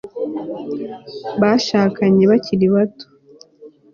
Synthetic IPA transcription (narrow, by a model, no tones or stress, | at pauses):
βaʃaːkaɲe̞βaciɾiβato̥